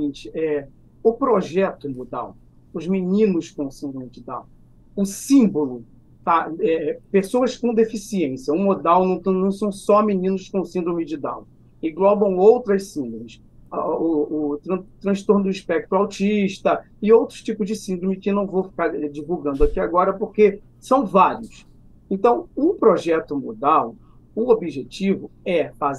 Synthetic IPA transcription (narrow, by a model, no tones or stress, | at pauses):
ĩt͡ʃɪ̥ɛ | ʊpɾoʒɛt̪ʊmod̪a̰w | ʊzminĩnʊskõw̃sĩnd̪ɾõmɪd͡ʒɪd̪a̰w | ʊsĩmbolʊ | t̪aɛpesowɐskõd̪efisiẽsjɐũmod̪awnɐ̃w̃t̪ɐ̃nɐ̃w̃sɐ̃w̃sɔminĩnʊʃkõsĩnd̪ɾõmɪd͡ʒɪd̪a̰w | ẽɡlɔbɐ̃w̃owt̪ɾɐssĩnd̪ɾomɪs | auːɾɐ̃t̪ɾɐ̃ʃt̪oɾnʊd̪ʊiʃpɛk̚t̪ɾʊawt͡ʃiʃt̪ɐ | ɪowt̪ɾʊt͡ʃipʊzd͡ʒɪsĩnd̪ɾõmɪkɪnɐ̃w̃vowfi̥kaɾɛd͡ʒivuwɡɐ̃nd̪ʊakiaɡɔɾɐpoχke | sɐ̃w̃vaɾiʊs | ẽnt̪ɐ̃w̃upɾoʒɛt̪ʊmod̪aw | ʊobiʒet͡ʃivʊɛfaz